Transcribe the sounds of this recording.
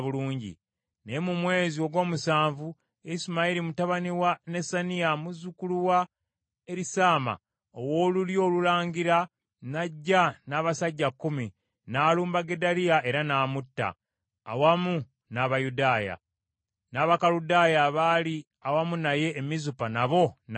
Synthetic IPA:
βuluːɲɟḭ | ne̞mumwe̞ːzioɡwo̞ːmusaːɱvu | iisumaiɾimutaβaniwane̞saniamuzukuluwa | e̞ɾisaːma̰ | owo̞ːluljo̞ːlulaːɲɡiɾa | naɟːanaːβasaɟːakːumi | naːluːmbaɡe̞daɾijae̞ɾanaːmutːa̰ː | wamu | naβajudaːja̰ | naːβakaludaːjaβali | awamunaje̞ːmizupanaβo̞n

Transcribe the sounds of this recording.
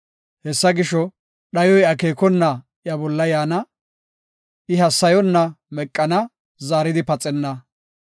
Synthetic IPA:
hɛsːɐɡɪʃɔ | ɗɐjɔjɐke̞ːkɔnːɐ | jɐbɔlːɐjaːnɐ | ʔɪɦɐsːɐjɔnːɐmɛkʼːɐnɐ | zaːɾɪd̪ɪpɐt͡sʼːɛnːɐ

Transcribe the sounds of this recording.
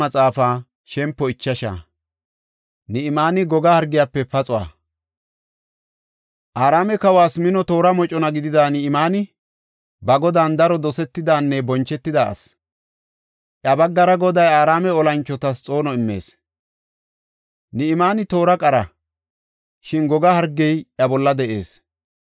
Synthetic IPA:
ɐt͡sʼaːfaː | ʃɛmpːɔɪt͡ʃːɐʃa̰ː | nɪɪmaːnɪɡɔɡɐhɐɾɡɪjapːɛpɐt͡sʼʊwa̰ː | ʔaːɾaːmɛkɐwaːsmɪnɔt̪o̞ːɾɐmɔt͡ʃʼɔnɐɡɪd̪ɪd̪aːnɪɪmaːnɪ | bɐɡɔd̪aːnd̪ɐɾɔd̪ɔsɛt̪ːɪd̪aːnːɛbɔnt͡ʃːɛt̪ːɪd̪aɐ̰s | ʔjɐbɐɡːɐɾɐɡɔd̪ɐjaːɾaːmɛɔlɐnt͡ʃːɔt̪ɐst͡sʼo̞ːnɔɪmːe̞̰ːs | nɪɪmaːnɪt̪o̞ːɾɐkʼɐɾɐ | ʃɪnɡɔɡɐhɐɾɡːɛjɐbɔlːɐd̪ɛʔḛːs

